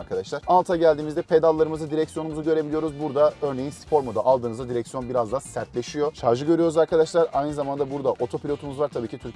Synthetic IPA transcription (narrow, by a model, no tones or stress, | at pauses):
ɾkʰad̪aʃlˠaɾalˠt̪ʰaɟælʲd̪iːmizd̪ɛpʰe̞d̪alˠːaɾɯmɯzad̪iɾɛcsijo̞numuzuɟø̞ɾe̞bilʲijo̞ɾuzbuɾd̪aø̞ɾne̞jinsfʰo̞ɾmod̪aʔalˠd̪ɯːnɯzad̪iɾɛcsjonbiɾazd̪asæɾt̪lʲe̞ʃijo̞ʃaɾʒɯɟø̞ɾyjo̞ɾuzaɾkʰad̪aʃlˠaɾajnɯzamand̪abuɾd̪aʔo̞t̪ʰo̞pʰilʲo̞t̪ʰumuzvaɾt̪ʰabiːcʰit̪ʰyɾ